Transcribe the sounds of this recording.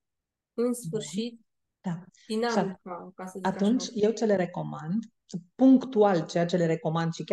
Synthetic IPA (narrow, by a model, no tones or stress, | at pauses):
ɨnsfɨrʃit̪̚ | d̪̥ainʃiaasat̪unt͡ʃʲje̞wt͡ʃe̞le̞ɾe̞ko̞mand̪ | puŋkt̪ualt͡ʃe̞jat͡ʃe̞le̞ɾe̞ko̞mand̪ʃikʲa